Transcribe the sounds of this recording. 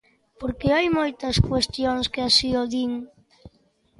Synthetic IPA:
poɾkeajmojt̪ɐskwest̪joŋskeasioðiŋ

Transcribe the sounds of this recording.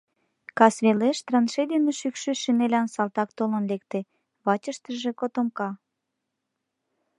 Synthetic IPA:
kɑsβeleʃt̪rɑnʃed̪eneʃykʃyʃinelʲænsɑlt̪ɑkt̪olə̆nlek̚t̪e | βɑt͡ɕə̆ʃt̪ə̆ʒĕkot̪omkɑ

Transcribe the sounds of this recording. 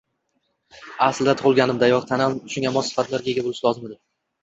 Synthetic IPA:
asld̪at̪ʰʊʁɨlˠɡʲanɪmd̪ajɒqt̪ʰanamʃʊŋʲamɒsːɪ̥fat̪ʰlaɾɡʲae̞ɡʲabolɪʃlˠɒzɪmed̪ɪ

